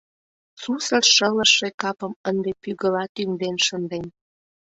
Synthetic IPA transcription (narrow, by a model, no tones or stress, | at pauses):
susərʃələʃːekɑpə̆mənd̪epyɣəlɑt̪yŋd̪enʃənd̪en